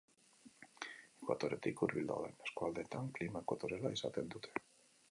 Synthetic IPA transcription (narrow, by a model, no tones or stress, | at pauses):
ikwa̰t̪oɾet̪ikuɾβild̪a̰ða̰neskwald̪et̪aŋklimakwat̪oɾelaisa̰t̪end̪ut̪e̥